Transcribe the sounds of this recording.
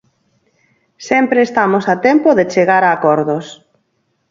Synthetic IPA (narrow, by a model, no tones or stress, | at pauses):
sɛmpɾeːst̪amosat̪empoðet͡ʃeɣaɾaːkɔɾðos